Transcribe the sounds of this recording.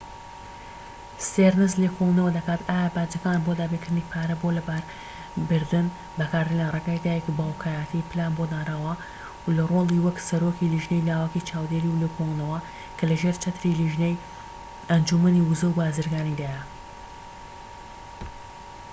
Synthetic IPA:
seɾnɨzleːkʰolˠnɐwɐd̪ɐkaːt̪aːjabaːd͡ʒɐkaːnbod̪aːbekɨɾd̪ɨniːpʰaːɾɐbolɐbaɾ | bɨɾd̪ɨn | bɐkaːɾd̪ɨlarˤekaːjd̪aːjɛkibaːlkʰaːjat̪ʰiplaːnbod̪aːɾaːwɐ | wlɐrolˠiwɐksɐɾokiliʒnejlaːwakit͡ʃʰaːwd̪eːɾiwlekʰolˠnɐwɐ | kʰɐlɐʒeɾt͡ʃɐt̪ɾiliʒnej | ɐnd͡ʒumɐniːwuzɐwbaːzɨɾɡaːnid̪aːjɐ

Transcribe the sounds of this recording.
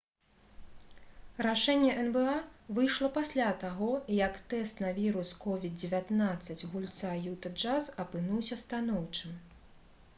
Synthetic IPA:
ɾaʂɛnʲːɛʔɛnbɛavɨjʂlˠɐpasʲlʲat̪aɣɔjɐkt̪ɛst̪nɐvʲiɾuskɔvʲid̪̚d͡zʲɛvʲat̪nat̪sːɐt͡sʲɣulʲt̪sajut̪ɐd͡ʐasɐpɨnuwsʲɐst̪anɔwt͡ʂɨm

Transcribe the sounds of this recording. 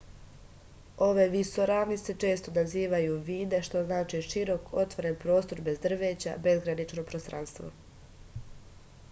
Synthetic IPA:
o̞ʋe̞ʋiso̞ɾaːʋnise̞t͡ʃe̞ːst̪o̞naziːʋajuʋiːd̪e̞ʃt̪o̞znaːt͡ʃiʃiɾo̞kʰo̞t̪ʋo̞ɾe̞npɾo̞ːst̪o̞ɾbe̞zd̪r̩ʋe̞ːt͡ɕa̰be̞zɡɾanit͡ʃnopɾost̪ɾa̰nst̪ʋo̰

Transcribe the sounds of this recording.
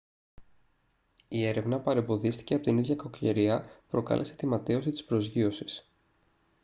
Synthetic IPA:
ie̞ɾe̞vnɐpɐɾe̞mbo̞ðist̪i̥ce̞ɐpo̞t̪iniðʝɐkɐkoce̞̰ɾiɐpɾo̞kɐ̰lʔe̞se̞t̪imɐt̪eo̞sit̪i̥spɾo̞zʝio̞si̥s

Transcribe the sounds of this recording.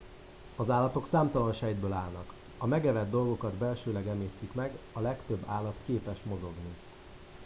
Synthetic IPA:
ɒzaːlːɒt̪o̞ksaːmt̪ɒlɒnʃɛjd̪̚bøːlaːlnɒk | ɒmɛɡɛvɛd̪ːo̞lɡo̞kɒd̪bɛlʃøːlɛɡɛmeːst̪ikmɛɡɒlɛkt̪ø̞bːaːlːɒt̪keːpɛʃmo̞zo̞ɡni

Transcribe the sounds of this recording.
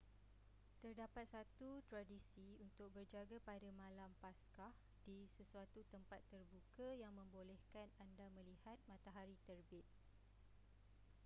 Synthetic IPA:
t̪ərdapat̪̚sat̪ut̪ɾadisiunt̪ʊk̚bərd͡ʒaɡapadamãlampaskah | disəsuat̪ut̪əmpat̪ːərbukajaŋmə̃mbolɛhkanandamə̃lihat̪̚mãt̪aɦaɾit̪ərbɪt̪̚

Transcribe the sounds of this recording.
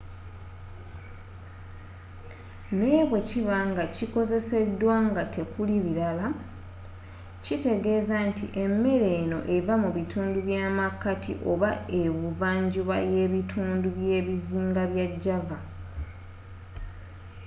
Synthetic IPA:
ne̞ːβwe̞ciβaŋɡaciko̞ze̞se̞dːwaːŋɡatʰe̞kuliβiɾala | cite̞ɡe̞ːzantʰḭʔe̞mːe̞ɾe̞no̞ʔe̞vamuβitʰuːnduβjaːmakːatʰḭʔo̞βae̞βuvaːɲɟuβa̰je̞βitʰuːnduβje̞ːβiziːŋɡaβjaɟːava

